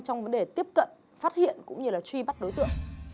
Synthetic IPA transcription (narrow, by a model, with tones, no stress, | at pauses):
t͡ɕɔ˧wŋ͡mvə˨˦nɗe˨˩t̪i˦˥əp̚kə̰˧˨n | faː˦˥t̚hḭ˧˨ənkʊ̰˧˥ŋ͡mɲɨ˧laː˨˩t͡ɕwi˧ɓa˦˥t̚ɗo˨˦jt̪ɨ̰˧˨əŋ